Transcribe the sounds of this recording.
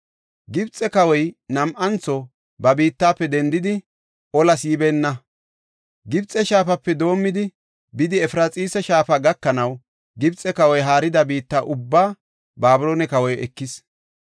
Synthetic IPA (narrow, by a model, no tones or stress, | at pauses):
ɡɪbt͡sʼːɛkɐwɔjnɐmʔɐnt͡sːɔ | bɐbiːt̪ːaːpːɛd̪ɛnd̪ɪd̪ɪ | ʔɔlɐsjɪbeːnːɐ | ɡɪbt͡sʼːɛʃaːfɐpːɛd̪o̞ːmːɪd̪ɪ | bɪd̪ɪɛfɾat͡sʼiːsɛʃaːfaɡɐkːɐnɐw | ɡɪbt͡sʼɛkɐwɔjɦaːɾɪd̪ɐbiːt̪ːaːʔʊbːaː | baːbʊloːnɛkɐwɔjɛkːɪs